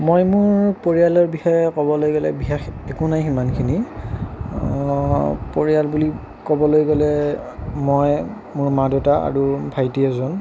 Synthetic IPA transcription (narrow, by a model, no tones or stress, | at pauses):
mojmʊɹpoɹijalɔɹbixɔjɛkɔbɔlojɡɔlɛ̰biɦaxɛkʊnajɦimankʰini | poɹialbuli | kɔbɔlojɡɔlɛ | moj | mʊɹmadɔtaa̰ɹubʱajtiɛzɔn